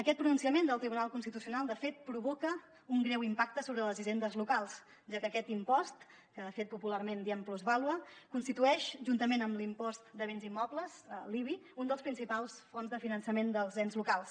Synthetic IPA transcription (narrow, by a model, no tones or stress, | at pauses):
əkɛt̪̚pɾununsiəmend̪əlˠt̪ɾiβunalˠkunst̪it̪usiunalˠd̪əfet̪̚pɾuβɔkə | uŋɡɾɛwimpak̚t̪əsoβɾələziʒend̪əzlukalˠs | ʒakəkɛt̪impɔst̪ | kəðəfet̪̚pupularmend̪iɛmpluzβalwəkunst̪it̪uɛʃʒunt̪əmenəmlimpɔst̪d̪əβenzimɔbləzəliβiund̪əlˠspɾinsipalˠsfonzðəfinənsəmend̪əlˠzβɛnzlukalˠs